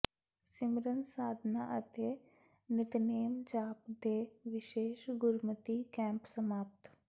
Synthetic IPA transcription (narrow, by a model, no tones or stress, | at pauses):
sɪmɾənsaːd̪ʱnaʔət̪e | nɪt̪neːmt͡ʃaːpd̪eːʋɪʃeːʃɡʊɾmət̪ikɛ̃ːmpsəmaːp̚t̪